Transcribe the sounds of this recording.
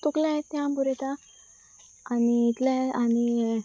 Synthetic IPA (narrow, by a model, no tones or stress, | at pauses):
t̪uklajet̪ːjãmbuɾɛt̪a | niːt̪laani